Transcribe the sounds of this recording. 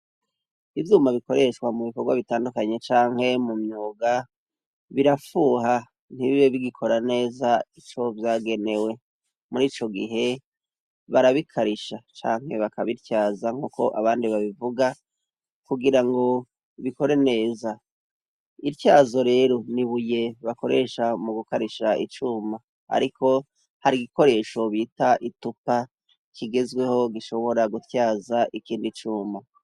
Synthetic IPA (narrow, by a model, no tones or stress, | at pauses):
ivjuːmaβiko̞ɾe̞ʃkwamuβikoɾɡwaβitaːndukaɲe̞t͡ʃaːŋ̥he̞mumɲuːɡa | βiɾafuːɦa | n̥iβiβeβiɡikʰo̞ɾane̞ːzait͡ʃo̞vjaːɡe̞ne̞we̞ | muɾiːt͡ʃo̞ɡiɦe̞ | βaɾaβikʰaɾiʃat͡ʃa̰ːŋ̥he̞βakaβiɾcaːzaŋ̥huːko̞̰ʔaβaːndiβaβivuɡa | kuɡiɾaŋɡo̞ | iβiko̞ɾe̞ne̞ːza | iɾjaːzo̞ɾe̞ːɾo̞niβuje̞βako̞ɾe̞ʃamuɡukaɾiʃaʔḭt͡ʃuːma | a̰ɾikʰo̞ | haɾiɡiko̞ɾe̞ʃo̞βiːtaʔitupa | kʰiɡe̞zɡwe̞ho̞ɡiʃo̞βo̞ɾaɡutjaːzaʔikiːndit͡ʃuːma